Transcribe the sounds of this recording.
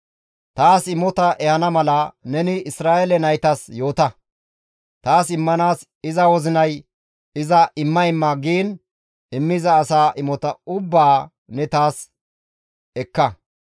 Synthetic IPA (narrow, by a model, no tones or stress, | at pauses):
t̪aːsɪmɔt̪ɐʔɛhɐnɐmɐlɐnɛnɪɪsɾaːʔɛlɛnɐjt̪ɐsjo̞ːt̪ɐ | t̪aːsɪmːɐnaːs | ɪzɐwɔzɪnɐj | ɪzɐʔɪmːɐɪmːɐɡiːn | ɪmːɪzɐːsaːʔɪmɔt̪ɐʊbːaː | nɛt̪aːs | ɛkːɐ